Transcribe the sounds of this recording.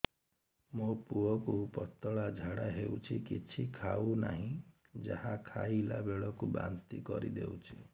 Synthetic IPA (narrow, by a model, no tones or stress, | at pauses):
mopuɔkupɔt̪ːɔɭad͡ʒʱaɽaɦeut͡ʃʰikit͡ʃʰikʰauna̰ɦĩ | d͡ʒahakʰailabeɭɔkuba̰nt̪ikɔɾḭd̪ewt͡ʃʰi